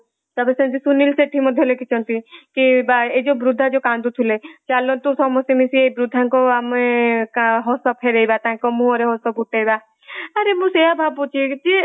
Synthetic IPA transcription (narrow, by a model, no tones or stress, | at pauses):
t̪ɔbesẽnt̪isunilseʈʰimɔd̪ʱjɔlekʰit͡ʃʰɔnt̪ikibaed͡ʒobɾud̪ʱːad͡ʒokand̪ut̪ʰulet͡ʃalːɔnt̪usɔmɔsjemisiebɾud̪ʱːaŋkɔamekɦɔsɔpʰeɾejbat̪aɦɛ̃kɔmũɔɾeɦɔsɔb̚ʱuʈːejba | aɾemũseɦabʱab̚put͡ʃʰid͡ʒe